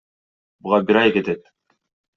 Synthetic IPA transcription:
buʁɑbiɾɑjket̪et̪̚

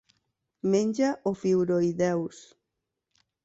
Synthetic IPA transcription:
mẽnʲd͡ʒaʔofiwɾoiðɛws

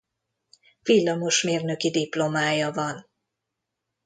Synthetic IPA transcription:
vilːɒmo̞ʃmeːrnøkid̪iplo̞maːjɒvɒn

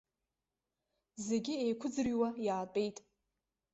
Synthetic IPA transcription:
zeɡʲɪejkʷʰʊd͡zɨriwajaːtʼe̞jtʼ

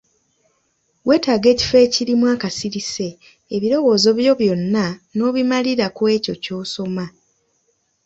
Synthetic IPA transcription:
we̞ːtaːɡe̞ːci̥fe̞ːciɾimwaːkasiɾise̞ː | βiɾo̞wo̞ːzo̞βjo̞βjo̞nːano̞ːβimaliɾakwe̞ːco̞co̞ːso̞ma

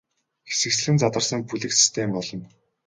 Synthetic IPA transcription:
xe̥sɘ̆ks̆ɮɘ̆nt͡sat̪ə̆rsə̆ŋpuɮɘ̆ksi̥st̪ʰempɔɮɞ̆n

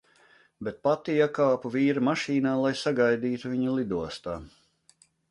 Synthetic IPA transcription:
bet̪̚pat̪ijakaːpuviːɾamaʃiːnaːlˠajsaɡajd̪iːt̪uviɲulˠid̪uɔst̪aː

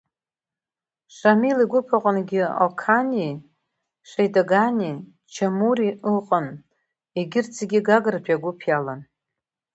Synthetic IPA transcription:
ʂʷamiliɡʷʊpʰaqʼənɡʲɪo̰kʰani | ʂʷejdoɡanʲi | t͡ʃʰamuɾiɨqʼən | eɡʲɪrt͡sʰeɡʲɪɡaɡɨrpʰaɡʷʊpʰjalan

